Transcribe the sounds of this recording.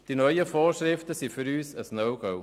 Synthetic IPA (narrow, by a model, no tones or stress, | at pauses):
d̥inœʏjəfoːɾʃɾɪftəsifʏɾyːsəsnœʊɡ̥oʊ